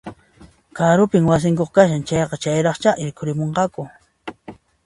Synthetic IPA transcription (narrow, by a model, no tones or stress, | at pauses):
kaɾʊpɪŋwas̬ɪŋkoχkaʃ̬ant͡ʃɑjqɑt͡ʃajɾɑχt͡ʃaʔɪɾkʰʊɾɪmoɴqɑkʊ